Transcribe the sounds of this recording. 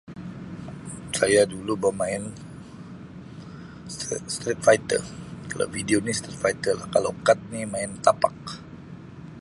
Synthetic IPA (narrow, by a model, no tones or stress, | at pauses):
sajadulubəmaɪn | sst̪ɾit̪̚fajt̪ə̰rkala̰fidionist̪ɾit̪̚fajt̪ərla̰hkalo̰kat̪̚nimaɪnt̪apak̚